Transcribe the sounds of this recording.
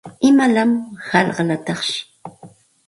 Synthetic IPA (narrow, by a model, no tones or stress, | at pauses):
ɪmalamhɑlɢɑlat̪ɑχʃɪ̥